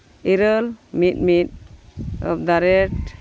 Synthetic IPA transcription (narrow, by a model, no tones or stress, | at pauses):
iɾəlmit̪̚mit̪̚ | ɔ̰d̪aɾɛʈ